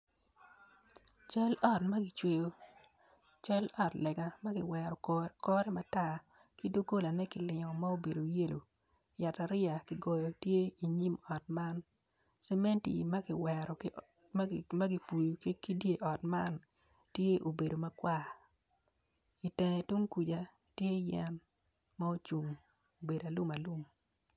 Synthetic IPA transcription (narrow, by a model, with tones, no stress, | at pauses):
t͡ʃa˦lɔ˦˨tmɐ˦ɡi˨t͡ʃwe˦jo˦ | t͡ʃa˦lɔ˦˨tlɛ˨ɡa˨mɐ˦ɡɪ˨wɛ˨ɾɔ˨kɔ˦ɾɛ˦ma˨ta˦˨ | ki˦do˦ɡo˦la˨nɛ˦ki˨lɪ˨ŋɔ˨ma˦o˨be˨do˨je˦lo˨ | ja˨ta˨ɾɪ˦a˨ki˨ɡɔ˨jɔ˨tje˦i˨ɲi˦mɔ˨t̚ma˦n | sɛ˦me˦ntḭ˨mɐ˦ɡɪ˨wɛ˨ɾɔ˨ | mɐ˦ɡi˨˦fu˨jkki˦dje˦ʔɔ˨tma˦n | tje˦ʔo˨be˨do˨mɐ˦kwa˦ | i˨tɛ˨ŋɛ˨tu˦ŋku˨d͡ʒa˨ | tje˦jɛ˦mː | a˦o˦t͡ʃu˨ŋ | o˨be˨da˨lu˦ma˨lu˦m